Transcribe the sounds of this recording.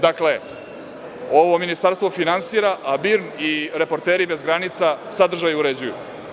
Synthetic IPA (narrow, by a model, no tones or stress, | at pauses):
d̪akle̞ | oʋo̞minist̪aɾst̪ʋo̞finansiɾaʔabiɾniɾe̞po̞ɾt̪eːɾibe̞zɡɾanit̪sasad̪r̩ʒajuɾed͡ʑujṵ